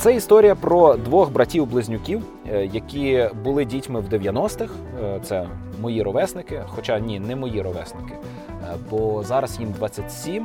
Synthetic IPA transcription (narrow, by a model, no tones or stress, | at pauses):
t̪sɛist̪ɔɾʲijɐpɾɔd̪ʋɔxbɾɐtʲiwblˠɪzʲnʲʊkʲiw | jɐkʲibʊlˠɪdʲitʲmɪwd̪eʋʲjɐnɔst̪ɪx | t̪sɛ | mɔjiɾɔʋɛsnɪkɪxɔt͡ʃɑnʲinɛmɔjiɾɔʋɛsnɪkɪ̥ | bɔzɑɾɐzjimd̪ʋɑt͡sʲːɐtʲsʲim